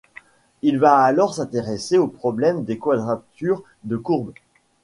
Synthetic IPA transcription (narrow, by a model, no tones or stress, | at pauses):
ilvaːlɔʁsɛ̃t̪eʁeseopχɔblɛmd̪ekwad̪ʁat̪yʁ | d̪əkuʁb